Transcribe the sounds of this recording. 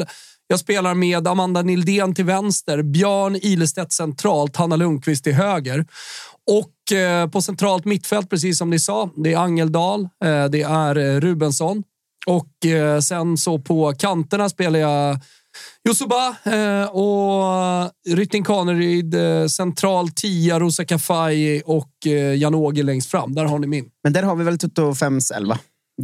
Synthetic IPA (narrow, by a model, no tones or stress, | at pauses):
jɑːɡspeːlaɾmeːd̪amand̪anɪld̪eːnt̪ʰɪlvɛnst̪əɾbjœːɳiːləst̪ɛt̪sɛnt̪ʰɾɑːlt̪hanːalɵŋkʰvɪst̪ʰɪɦøːɡəɾ | ɔkːpʰɔsɛnt̪ʰɾɑːlt̪mɪt̪ːfɛlt̪̚pʰɾɛs̬iːs̬ːɔmd̪ɛsɑːd̪ɛæɾaŋːɛld̪ɑːld̪ɛæɾɾʉ̟ːbɛnsɔn | ɔksɛnsɔpʰɔkʰant̪əɳaspeːlaja | jʊsʊba | ɔ | ɾʏt̪ːɪŋkʰɑːnəɾyːd̪sɛnt̪ʰɾɑːlt̪ʰiːaɾuːsakafajɔkːjanoːɡɪlɛŋst̪fɾa̰mːd̪æːɾɦaɳɪmɪnmɛnd̪æːɾhaɾvɪvɛlt̪ʰɵt̪ːʊfɛmsɛ̰lva̰